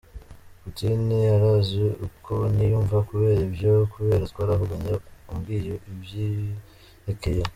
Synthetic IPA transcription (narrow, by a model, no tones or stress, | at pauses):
kutiniaɾaziukʰonijuːɱvakuβe̞ːɾibjokuβe̞ːɾat̪waːɾaɦuɡaɲaumɡiːjoʔibji | ekeje